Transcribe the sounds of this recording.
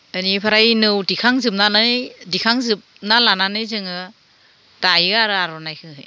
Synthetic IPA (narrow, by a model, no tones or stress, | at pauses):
anipʰaɾajnɯwdikʰaŋzɯp̚nanɯjdikʰaŋzɯp̚nalananɯjzɯŋɯ | tajiɡaaɾɯaɾɔnajkʰɯɦɯ̰j